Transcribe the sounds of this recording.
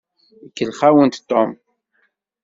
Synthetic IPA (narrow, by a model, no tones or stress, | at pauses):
əkːəlχawənt̪t̪ːom